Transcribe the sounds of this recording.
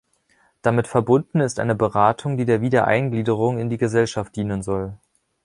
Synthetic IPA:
d̥amɪtfɛɐbʊndn̩ɪstʔa̰ɪnəbəʁaːtʰʊŋdiːdeːɐviːdɐʔa̰ɪnɡliːdəʁ̞ʊŋɪndiːɡəzɛlʃaft̚d̥iːnənzɔl

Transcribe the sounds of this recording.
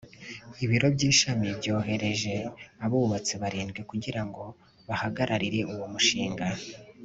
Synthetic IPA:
iβiɾo̞bɟiːʃamibɟo̞ːɦe̞ɾe̞ʒe̞aβuβat͡siβaɾiːnɡwekuɟiɾaŋɡo̞ | βahaɡaɾʔaɾiɾe̞ʔuwomuʃiːŋɡa

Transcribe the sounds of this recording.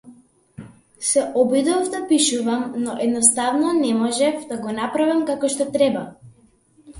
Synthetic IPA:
sɛʔɔbid̪ɔvd̪apiʃuvamnɔʔɛd̪nɔst̪avnɔnɛmɔʒɛfd̪aɡɔnapɾavimkakɔʃt̪ɔt̪ɾɛba

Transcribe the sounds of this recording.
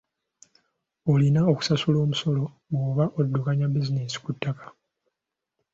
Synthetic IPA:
o̞linao̞ku̥sasulo̞ːmuso̞lo̞ | moːβaʔo̞dːukaɲabizinesi̥kutːakḁ

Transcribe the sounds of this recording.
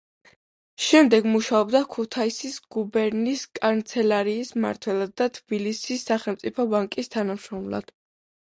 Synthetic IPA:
ʃɛmd̪ɛɡmuʃaɔbd̪akʰut̪ʰaisisɡ̥ubɛɾniskʼant̪sʰɛlaɾiːsma̰ɾt̪ʰwɛlˠad̪ːat̪ʰb̥ilisisːaχɛlˠmt̪sʼipʰɔbaŋkʼist̪ʰanamʃɾɔmlˠa̰d̪̥

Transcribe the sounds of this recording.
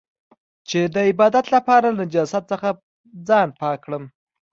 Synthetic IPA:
t͡ʃed̪əɪbɑd̪at̪lapɑɾalanɪd͡ʒɑsat̪t͡səxa | d͡zɑnpɑkɽəm

